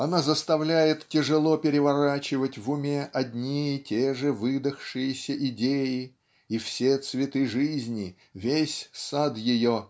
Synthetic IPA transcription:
ɐnazəst̪ɐvlʲæjɪt̪tʲɪʐɨlˠopʲɪɾʲɪvɐɾat͡ɕɪvətʲvʊmʲeʔɐdʲnʲiɪtʲeʐɨvɨd̪əxʂɨjɪsʲəʔɪdʲejɪ | ifsʲet̪svʲɪt̪ɨʐɨzʲnʲɪ | vʲesʲsad̪jɪjo

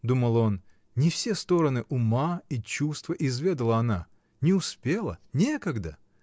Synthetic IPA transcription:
d̪uməlˠo̞n | nʲɪfsʲest̪o̞ɾənɨʔʊmait͡ɕust̪vəʔɪzvʲed̪əlˠəɐna | nʲɪʊspʲe̞lˠə̰nʲekəɡd̪ə

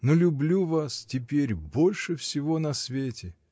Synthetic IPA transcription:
nolʲʊblʲuvastʲɪpʲeɾʲbo̞lʲʂɨfsʲɪvo̞nɐsvʲetʲɪ

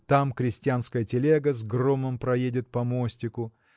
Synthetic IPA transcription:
t̪amkɾʲɪsʲtʲɪanskəjətʲɪlʲeɡəzɡromɨmpɾɐjedʲɪt̪̚pɐmo̞sʲtʲɪkʊ

